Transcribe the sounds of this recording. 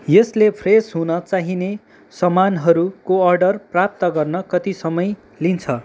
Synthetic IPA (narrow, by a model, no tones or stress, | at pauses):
jʌslepʰresɦunʌt͡saɦine | sʌmanɦʌɾukoʌrɖʌrprap̚t̪ʌɡʌrnʌkʌt̪isʌmʌj | lint͡sʰʌ